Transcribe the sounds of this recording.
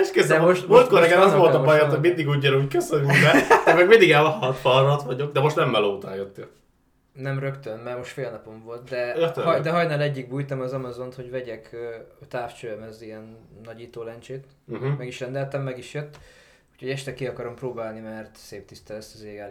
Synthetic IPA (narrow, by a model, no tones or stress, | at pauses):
ɛʃkɛzdɛmoʃt̪mlt̪koɾɛɡɛnɒsolt̪ɒbɒjat̪homind̪iɡuːɟːɒnuːckøsønymbɛmɛɡmind̪iɡɛlɒhɒt̪fɒlnɒt̪ʋɒɟo̞ɡ̚d̪ɛmo̞ʃt̪nɛmːɛloːt̪a̰ːjøt̪ːe | nɛmrøkt̪ønmɛrmo̞ʃt̪feːlnɒpo̞ɱvo̞lt̪̚d̪ɛt̪ɒjd̪ɛɦɒjnaːlɛɟːiɡ̚buːjt̪ɒmɒzɒmɒzont̪ho̞ɟvɛɟɛkːt̪aːft͡ʃøːɛmɛziɛnːɒɟiːt̪oːlɛnt͡ʃeːt̪ | mɛɡiʃrɛnd̪ɛlt̪ɛmːɛɡiʃjøt̪ː | u̥ːcho̞ɟɛʃt̪ɛkiɒkɒɾo̞mproːbaːlnimɛrt̪seːp̚t̪ist̪ɛlɛst̪ɒzeːɡaːl